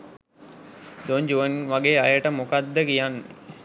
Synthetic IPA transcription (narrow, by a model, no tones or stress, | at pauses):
d̪oɲd͡ʒuʋənʋaɡeːajəʈəmokad̪ːəkijanʋḛ